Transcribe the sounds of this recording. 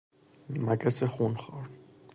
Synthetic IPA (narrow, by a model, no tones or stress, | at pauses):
makʼɛsɛχunχɔɾ